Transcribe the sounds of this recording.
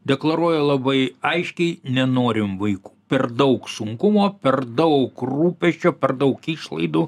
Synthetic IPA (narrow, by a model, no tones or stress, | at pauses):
d̪ʲɛklˠɐɾuɔjɛlˠɐbɐɪɐɪʃʲkʲɛɪnʲɛnoːɾʲɪmʋɐɪku̥ːpʲɛrd̪ɐʊksʊŋkʊmoːpʲɛrd̪ɐʊkruːpʲɛʃʲt͡ʃʲoːpʲɛrd̪ɐʊkiːʃlˠɐ̰ɪd̪uː